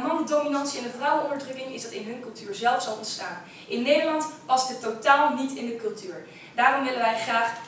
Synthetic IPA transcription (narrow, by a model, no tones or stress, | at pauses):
ɦɑndominɑntsiɪndəvrawəɔ̃ndəɹdrɵkɪŋɪzdɑtɪnɦɵnkɵlˠtyːɹzɛlˠfsɑlˠɔ̰ntstaːn | ʔɪnːejdəɹlɑntpɑstətːotaːlˠnitɪndəkɵlˠtyːɹ | daːrɔmʋɪləʋɛjχraːχ